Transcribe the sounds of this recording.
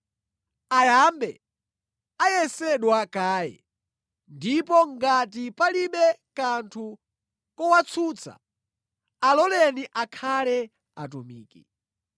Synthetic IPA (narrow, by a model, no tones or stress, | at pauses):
ajambɛ | ajɛsɛɗwakaːjɛ̰ | ndipɔŋɡat̬ipaliɓɛkantʰu | kɔwat͡sʰuːt͡sʰa̰ | alɔlɛniʔakʰalɛ | a̰tumḭːki